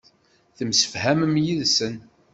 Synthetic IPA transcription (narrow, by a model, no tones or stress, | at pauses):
θəmsə̥fhæməmjiðsən